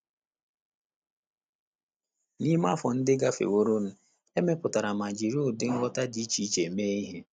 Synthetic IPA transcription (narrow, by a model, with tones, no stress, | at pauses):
ni˦ma˦˨fɔ˨n̩˦dɪ˦ɡa˦fḛ˨wo˦ɾo˦n̩˦ | e˦me˦pʊ˨ta˨ɾa˨ma˨d͡ʒi˨ɾu˦˨dɪ˦ŋ̩˦ɡʷɔ˦ta˦di˦t͡ʃi˦t͡ʃe˨meː˦i˦ɦe˦